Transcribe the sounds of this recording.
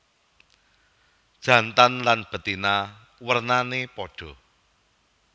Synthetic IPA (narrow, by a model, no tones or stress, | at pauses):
d̥ʒ̥ä̤nt̪anlanb̥ə̤t̪ina | wərnanepɔɖ̥ɔ̤